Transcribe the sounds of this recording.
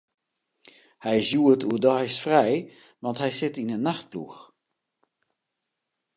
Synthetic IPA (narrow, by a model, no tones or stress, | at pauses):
hɛjsjuətʰuədɔjsfrɛj | ʋɑnthɛjsɪtinənaxt̚plṵx